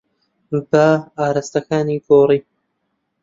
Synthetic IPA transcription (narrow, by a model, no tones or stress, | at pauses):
bɐaːɾɐst̪ɐkaːniːɡoːriː